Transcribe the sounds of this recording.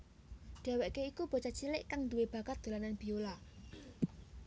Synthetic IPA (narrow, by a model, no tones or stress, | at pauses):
ɖ̪̥a̤wɛʔkeikub̥ɔ̤t͡ʃat͡ʃilɪʔkaŋnd̪uweb̥a̤kat̪̚d̪̥o̤lananb̥i̤ola